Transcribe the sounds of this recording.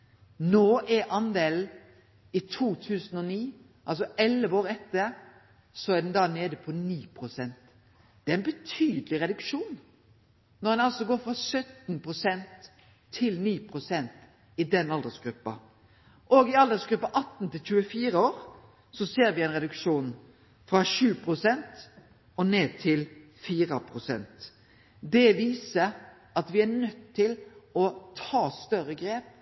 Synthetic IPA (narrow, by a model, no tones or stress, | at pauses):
noːʔɛɾɑnd̪eːln̩ | ɪt̪ʰuːt̪ʰʉːsən̩ɔniː | ʔɑlsɔɛlʋoːɾɛt̪ːəɾ | sɔæd̪ɖ̪ɛnd̪ɑːneːd̪əpʰɔniːpʰɾʊsɛnt̪ | d̪̥ɛæɪnbɛt̪ʰyːd̪əlɪɾɛd̪ʉkʃuːnː | ɔɾd̪ɛnɑlsɔɡoːɾfɾɑsœt̪npʰʁʊsɛnt̪ʰː | ɪlniːpʰɾʊsɛnt̪ | ɪd̪ɛnɑld̪əsɡɾʉpːɑ̰ | ʔoɡɪɑld̪əsɡɾʉpːɑʔɑt̪ːn̩t̪ʰɪlt͡ʃʉːəfiːɾəoːɾ | sɔseːɾʋɪɛɪnʁɛd̪ʉkʂuːn | fɾɑɕʉːpʰɾʊsɛnt̪ | ɔneːd̪̚t̪ʰɪl | fiːɾɑpʰɾʊsɛ̰nt̪ | d̪ɛʋiːsə | ʔɑt̪ʋɪænœt̪ʰːɪlɔt̪ʰɑːst̪œɾəɡɾeːp̚